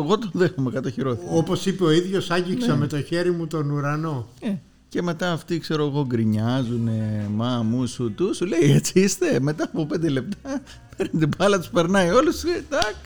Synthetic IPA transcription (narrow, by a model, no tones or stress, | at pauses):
ɣo̞t̪onðe̞xomekɐt̪oçiɾo̞θiopo̞sipe̞o̞iðʝo̞sɐɲɟiksɐme̞t̪o̞çe̞ɾimut̪o̞nuɾɐno̞e | ce̞me̞t̪ɐːft̪ikse̞ɾo̞eɣo̞ɡɾiɲɐzunemɐmusut̪usule̞iet͡siist̪e̞me̞t̪ɐːpo̞pe̞nd̪e̞le̞p̚t̪ɐ | peɾint̪ipɐlɐt̪u̥spe̞ɾnɐio̞lusd̪ɐk